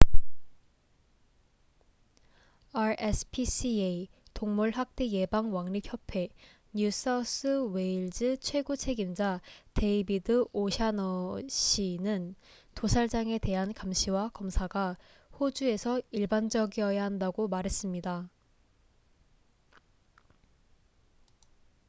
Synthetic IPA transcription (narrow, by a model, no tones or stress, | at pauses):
aɾesʰpʰisieitoŋmuɭɦak̚t͈e̞je̞baŋwaŋɲipʰçjʌpʰe̞ | ɲus͈ʌs͈ʰɯwe̞iɭd͡ʑɯt͡ɕʰwe̞ɡot͡ɕʰe̞ɡimd͡ʑate̞ibidɯoɕʰanʌɕʰinɯn | tosʰaɭd͡ʑaŋe̞te̞ɦankamɕʰiwakʌmsʰaɡa | hod͡ʑue̞sʰʌiɭband͡ʑʌɡiʌjaɦandaɡomaɾɦe̞s͈ɯmɲida